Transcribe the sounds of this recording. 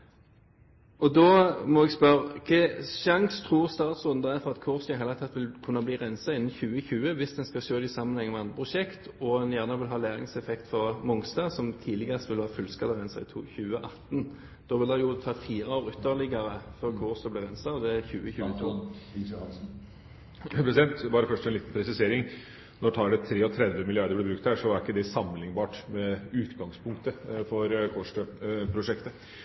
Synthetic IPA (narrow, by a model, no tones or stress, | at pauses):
ɔd̪ɔːmɔɛɡspœɾəkʰɛʃɑŋst̪ʰʁuːʁst̪ɑːt̪sʊnd̪ɑæɾfɔʁɑt̪kʰuʁsɛheɪlət̪ʰɛt̪ːʋɪlkʰʉnːɑbliːʁɛnsɑɪnn̩çʉːəçʉːəʋɪsd̪ɛnskɑʃøːd̪ɛɪsɑmːənhɛŋːmɛɑnəpʰʊʃɛkt̪ɔɛnjæʁnəʋɪlɦɑːlæːɾɪ̰ŋsɛfɛkt̪fɔʁmʊŋst̪ɑsɔmt̪ʰiːlɪɡəʁəst̪ʋɪlʋɑːfʉlskɑləʁɛnsɑ̰ɪ̰t̪ʰuːçʉːəʔɑt̪n | d̪̥oːʋɪld̪æjʊt̪ʰɑːfiːʁəoːɾʉt̪ːəlɪɡəɾəfɔʁkʰoːʁsɔblɛʁɛnsɑd̪ɛæçʉːəçʉːət̪ʰuːɑs̩ | pʰɾɛsɪd̪ɛnt̪bɑːɾəfœʂɛnliːt̪n̩pʰɾɛsɪseːɾɪŋ | nɔt̪ʰɑːɖɛt̪ʰɾeːɔt̪ʰɾɛd̪ʋəmɪlɪɑɾd̪əblɪbɾʉk̚t̪hæːʂɔæɾɪkːəd̪ɛsɑmlɪŋbɑːʈmɛʉːt̪ɡɑŋspʰʊŋkt̪əfɔɾkʰoʂʈøpʰɾʊʂɛkt̪ə